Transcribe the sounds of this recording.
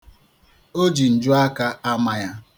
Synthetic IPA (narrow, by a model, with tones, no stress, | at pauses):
o˦d͡ʒi˨n̩˨d͡ʒʊ˦a˦ka˦a˦ma˨ja˦